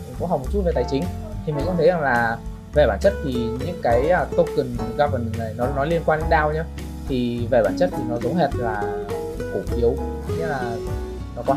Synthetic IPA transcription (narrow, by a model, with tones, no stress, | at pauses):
ŋkʊ̰˧˥ŋ͡mɦa˨˩wmo˨˩t̚t͡ɕu˥tve˨˩t̪aː˨˧˦jt͡ɕï˨˦ŋ̟ | t̪ʰi˨˩mi˨˩ŋ̟kʊ̰˧˥ŋ͡mt̪ʰə˨˦za˨˩ŋlaː˨˩ | ve˨˩ɓaː˧˩nt͡ɕə˦˥t̚t̪ʰi˨˩ɲɨ̰˧˥ŋkaː˨˦jəː˧t̪o˧kɨ˨˩nɣaː˧və˨˩nɨ˨˩na˨˩jnɔ˨˦nɔ˨˦li˧ənkwaː˧ne˨˦ɗaː˧wɲaː˧ | t̪ʰi˨˩ve˨˩ɓaː˧˩nt͡ɕə˦˥t̚t̪ʰi˨˩nɔ˨˦zə˨˦wŋ͡mɦɛ˨˩t̚laː˨˩ | ku˧˩ʔi˨˦əw | ɲə˨˧˥laː˨˩ | nɔ˨˦kɔ˨˦